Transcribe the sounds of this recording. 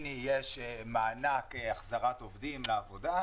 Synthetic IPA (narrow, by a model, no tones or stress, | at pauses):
nijeʃmaːnakeaχzaʁat̪o̞vd̪imleavo̞d̪a